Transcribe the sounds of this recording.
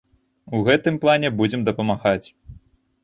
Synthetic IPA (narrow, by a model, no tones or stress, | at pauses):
uɣɛt̪ɨmplˠanʲɛbud͡zʲɛmd̪ɐpɐmaɣat͡sʲ